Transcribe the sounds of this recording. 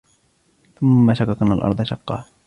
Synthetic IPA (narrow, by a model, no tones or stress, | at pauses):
θʊmːaʃakɑkanːalʔɑ̰ɾˤd̪ˤɑʃɑqːɑ̰ː